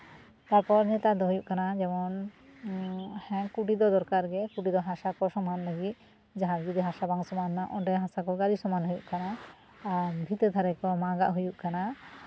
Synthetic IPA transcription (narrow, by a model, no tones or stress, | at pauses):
ɾapɔɾɲɛt̪ad̪ɔɦujuʔkanad͡ʒɛmɔn | hɛ̃kuɖid̪ɔd̪ɔɾkaɾɡɛkuɖid̪ɔɦãsakɔsɔmanlaɡit̪̚ | d͡ʒaɦãɾd͡ʒud̪iɦãsabaŋsɔmanːaʔɔɖɛɦãsakɔɡaɾisɔmanɦujuʔkana | bʱit̪ət̪ʰaɾɛkɔmaɡa̰ʔɦujuʔkana